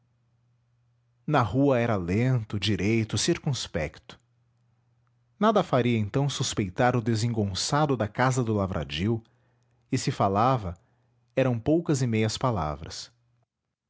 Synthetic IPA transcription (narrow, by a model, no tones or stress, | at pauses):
nɐhuɐɛɾɐlẽnt̪ʊd͡ʒiɾejt̪ʊsiɾkũspɛkt̪ʊ̥ | nad̪ɐfaɾiɐẽnt̪ɐ̃w̃suspejt̪aɾʊd̪ezẽŋɡõsad̪ʊd̪ɐkazɐd̪ʊlavɾʔa̰d͡ʒiw | ɪsɪfalavɐ | ɛɾɐ̃w̃powkɐzɪmejɐspala̰vɾɐ̰s